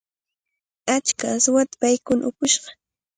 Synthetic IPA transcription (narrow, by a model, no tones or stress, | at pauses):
at͡ʃkasʊwat̪ḁpajkʊnʔʊkʊʃɢɑ̥